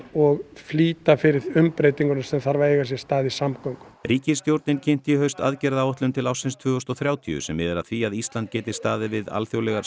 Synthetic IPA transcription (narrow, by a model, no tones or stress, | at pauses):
ɔɣfliːt̪afɪɾɪðʏmpɾejt̪iŋkʏɾnasɛmθaɾvaeːjɣasjɛ̥st̪aːðisamkawŋkʏ̥ɾiːcɪst̪jowɾt̪nɪncʰen̥t̪ihœɥst̪a̰ðcɛːɾðawɔht̪lʏmt̪ʰɪlawsɪnst̪ʰvʏːʏst̪ɔθɾjaːwt̪ʰḭʏ̰sɛmːɪːðɛɾa̰ðθviaðist̪lant̪̚cɛːt̪ɪ̥st̪aːðɪvɪða̰lθjowlɛɣaɾ